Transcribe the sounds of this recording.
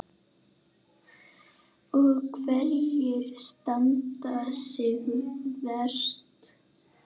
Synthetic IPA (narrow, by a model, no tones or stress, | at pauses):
ɔɣkʰvɛɾjɪɾ̥st̪ant̪asɪɣvɛr̥t̪